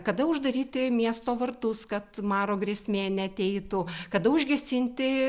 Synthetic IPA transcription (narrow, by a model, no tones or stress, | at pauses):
kɐd̪ɐʊʒd̪ɐɾʲiːt̪ʲɪmʲiɛst̪oːʋɐrt̪ʊskɐt̪mɑːɾoːɡrʲiɛsʲmʲeːnʲɛɐt̪ʲɛɪt̪ʊkɐd̪ɐʊʒʲɡʲɛsʲɪnʲt̪ʲɪ